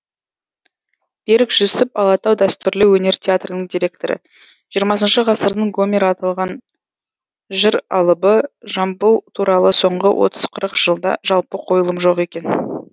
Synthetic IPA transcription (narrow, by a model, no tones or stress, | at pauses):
b̥e̞ɾɪkʒ̥ʏsɪpɑlˠɑt̪ɑwd̪æst̪ʏɾlɪwɵne̞ɾt̪ʲʰeat̪rənəɴd̪ijɾʲe̞k̚t̪o̞̰ɾə̰ | ʒ̥ijəɾmɑs̬ənʃəʁɑsəɾd̪əɴɡo̞mʲeɾːt̪ɑlˠʁɑn | ʒɪɾɑ̰lˠəbəʒɑmbəlˠt̪ʰuɾɑlˠəso̞ɴʁə̰wʔo̞̰t̪ə̥z̥qʰəɾəqʒ̥əlˠd̪ɑ̰ʒɑlˠpəqʰo̞jəlˠəmʒo̞qe̞kʲe̞n